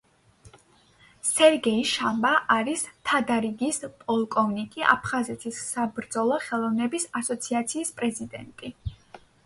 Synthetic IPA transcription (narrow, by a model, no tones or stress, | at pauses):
sɛɾɡɛiʃambaʔaɾist̪ʰad̪aɾiɡispʼɔlˠkʼɔvnikʼiʔa̰pʰχazɛt̪ʰisːabɾd̪zɔlˠɔχɛlˠɔvnɛbisasɔt̪sʰiat̪sʰiːspʼɾɛzid̪ɛnt̪ʼi